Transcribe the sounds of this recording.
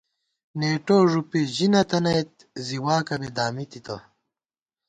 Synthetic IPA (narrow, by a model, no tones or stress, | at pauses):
neːʈoːʐupiʑinɐt̪ɐnɐjt̪̚ | ziwaːkɐbed̪aːmit̪it̪ɐ̰